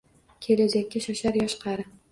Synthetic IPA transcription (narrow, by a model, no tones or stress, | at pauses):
kʲʰe̞lad͡ʒakʲːaʃaʃaɾjɒʃqʰɑɾɪ